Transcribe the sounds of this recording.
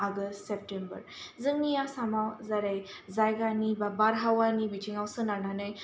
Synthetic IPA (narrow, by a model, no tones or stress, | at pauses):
aɡəstsep̚ʈembə̰ɾd͡zəŋnijasamawd͡zaɾaj | d͡zajɡanibabaɾɦawanibit͡ɕiŋɡawsənananəj